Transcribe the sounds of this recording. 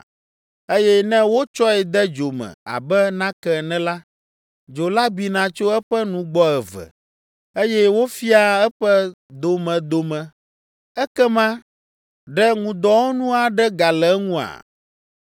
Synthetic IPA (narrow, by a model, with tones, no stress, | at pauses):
e˦jɛ˦nɛ̃˦wo˦t͡ʃɔ˦ɛ˨d̪ɛ˦d͡ʒo˨mɛ̰̃˨a̰˨bɛ˦nã˦kɛ˨nɛ̃˦la˦ | d͡ʒo˨la˦bi˨nã˨t͡ʃo˦ɛ˦ɸɛ˦nũ˦ɡ͡bɔ˦ɛ˨vɛ̰˨ | e˦jɛ˦wo˦fi˦a˨ɛ˦ɸɛ˦ | d̪o˨mɛ̃˨d̪o˨mɛ̃˨ | ɛ˦kɛ˦mã˦ | ɖɛ˦ŋũ˨d̪ɔ˦wo˦nũ˦a˨ɖɛ˦ɡa˨lɛ˨˦ŋũ˦a̰˨